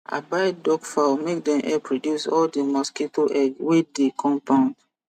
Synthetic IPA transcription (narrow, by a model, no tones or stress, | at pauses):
a̰baɪt̚dɔkfamek̚dɛ̃mʔɛpɹodjusɔldemɔsketʰoʔɛɡwedekʰɔ̃mpãʊ̃nd